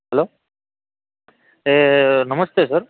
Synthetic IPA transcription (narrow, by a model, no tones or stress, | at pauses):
ɦɛloː | enʌməst̪esəɾ